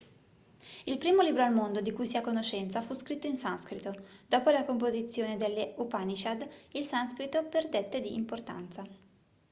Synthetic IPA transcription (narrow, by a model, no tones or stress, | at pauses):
ilpɾiːmoliːbɾoalmond̪od̪ikujsiakːonot͡ʃːɛnt̪safuskɾit̪ːoinsanskɾit̪od̪ɔːpolakompozit̪sːjoːned̪elːeupanit͡ʃad̪ilsanskɾit̪ːoperd̪et̪ːed̪iːmport̪a̰nt̪sa